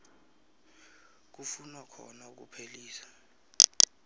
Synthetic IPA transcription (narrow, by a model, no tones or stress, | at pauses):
k̬ufunwakʰɔ̰nauk̬ṵpʰeliːsḁ